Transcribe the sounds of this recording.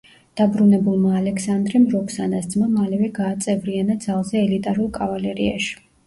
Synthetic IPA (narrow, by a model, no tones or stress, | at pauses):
d̪̥abɾunɛbulˠmaːlɛksand̪ɾɛmɾɔkʰsanasd̪zmamalɛvɛɡaːt̪sʼɛvɾianad̪zalˠzɛːlit̪ʼaɾulˠkʼavalɛɾia̰ʃi̥